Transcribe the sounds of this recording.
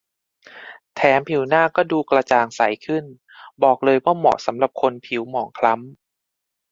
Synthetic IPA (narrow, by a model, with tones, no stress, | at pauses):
t̪ʰɛː˩˦mpʰi˨˩˦wnaː˥˩kɔː˥˩duː˧kla˧t͡ɕaː˨˧ŋsa˨˩˦jkʰɯ˥˩n | bɔː˨˩k̚lɤː˧jwaː˥˩mɔ̰˨˩sa˩˦mla˨˩p̚kʰo˧npʰi˨˩˦wmɔː˩˦ŋkʰla˦˥m